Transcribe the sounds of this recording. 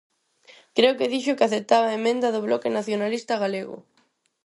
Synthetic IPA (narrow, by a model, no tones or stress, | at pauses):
kɾeʊkɪðiʃʊkɪaθet̪aβaemẽnd̪ɐðʊβlɔkɪnaθjonalist̪aɣ̞aleɣʊ̰